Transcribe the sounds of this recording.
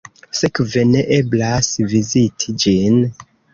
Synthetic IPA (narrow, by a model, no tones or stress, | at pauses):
sekve̞ne̞ʔe̞blasvizitʰid͡ʒin